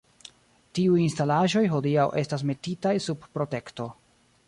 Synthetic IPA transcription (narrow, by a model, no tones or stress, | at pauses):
tiujinstalaʒo̞jɦo̞diawʔe̞stas̬me̞titajsubpɾo̞te̞kto̞